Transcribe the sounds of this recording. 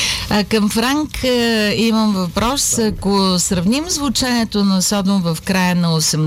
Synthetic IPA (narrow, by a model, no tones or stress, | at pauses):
ɐkəmfɾaŋkiməmvɐpɾɔsɐkosɾɐvnimzvʊt͡ʃɛniɛt̪onɐsɔd̪omvɐfkɾajənɐosɛm